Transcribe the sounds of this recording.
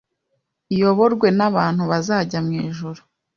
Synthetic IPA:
ijo̞βo̞ɾɡwe̞naβaːn̥huβazaːɟamŋiːʒuɾu

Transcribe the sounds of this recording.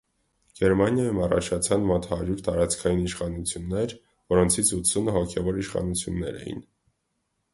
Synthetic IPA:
ɡ̥ɛɾmɑnjɑjumɑrɑ̰t͡ʃʰɑt͡sʰɑnmɔt̪hɑɾjuɾt̪ɑɾɑt͡skʰɑjiniʃχɑnut͡sʰjunːɛɾ | vɔɾɔnt͡sʰit͡sʰut̪sʰunəɦɔkʰɛvɔɾiʃχɑ̰nut͡sʰjunːɛɾɛ̰jḭn

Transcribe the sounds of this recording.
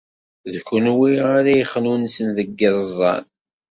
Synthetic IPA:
ðkʊnwiaɾæjəχnunsənðəɡːəðˤzˤːɑ̰n

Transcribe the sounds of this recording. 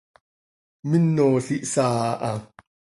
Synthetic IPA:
minːoːɬiʔsaːʔa

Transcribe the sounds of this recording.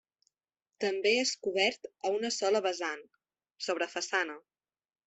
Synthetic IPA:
t̪əmbeeskuβɛɾt̪əunəsɔləβəzan | soβ̞ɾəfəsanə

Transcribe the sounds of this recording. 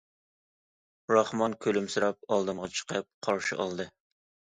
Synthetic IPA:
ɾɑχmɑnkʲʰølymsɨɾɑp̚ɑlˠd̪ɨmʁɑt͡ʃʰə̥qʰəp̚qʰɑɾʃɪ̰ʔɑ̰lˠd̪ɨ

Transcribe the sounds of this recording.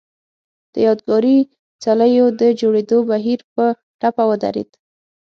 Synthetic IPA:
d̪̥əjɑd̪ɡɑɾi | t͡saləjod̪əd͡ʒoɽed̪obaɦiɾpə | ʈapawəd̪a̰ɾḛd̪

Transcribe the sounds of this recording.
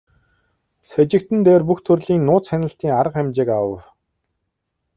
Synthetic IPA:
sæt͡ɕɪ̆k̚t̪ɘ̆nt̪eːrpuxt̪ʰɵrɮiːnːʊːt͡sxænə̆ɬt̪iːŋaɾə̆qæmt͡ɕɪːkawə̰̆w

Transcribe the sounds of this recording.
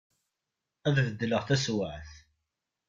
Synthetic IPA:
æððəd̪ːələʁθæswəʕθ

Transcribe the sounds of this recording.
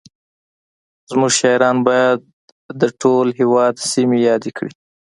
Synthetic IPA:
zmuʒʃɑjɾɑnbɑjad̪̚ | d̪əʈʰolɦewɑd̪simejɑd̪ekɽi

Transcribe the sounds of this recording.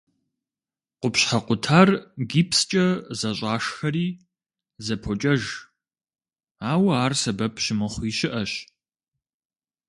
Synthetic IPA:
qʷʊpɕħaqʷʊtʰaːrɡiːpst͡ʃʼɐzɐɕʼɑːʂxɐɾiː | zɐpʰɔt͡ʃʼɐʒ | aːwaːrsɐbɐpʰʃɪmɨχʷiːʃɪʔɐɕ

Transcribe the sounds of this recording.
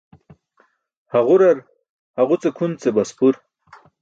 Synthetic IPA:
haʁuɾaɾ | haʁut͡sekʰunt͡sebaspuɾ

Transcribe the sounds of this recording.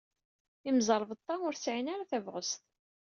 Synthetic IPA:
imzˤɑɾˤv̚t̪ˤːɑmʊɾsʕinaɾaθævʁə̰st̪

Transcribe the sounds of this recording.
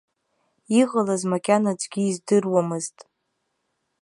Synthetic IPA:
iʁalazmakʲʼanad͡ʒɡʲiːzdɨrwamɨztʼ

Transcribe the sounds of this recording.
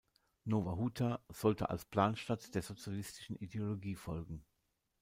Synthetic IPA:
noːvaɦuːtʰaz̥ɔltə̰ʔa̰lspl̥aːnʃtatd̥eːɐzot͡sjalɪstʰɪʃn̩ideoloɡiːfɔlɡŋ̩

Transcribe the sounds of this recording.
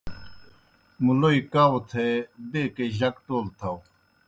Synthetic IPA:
muloːikaːwot̪ʰeːbeːkeʑɐkʈoːlt̪ʰaw

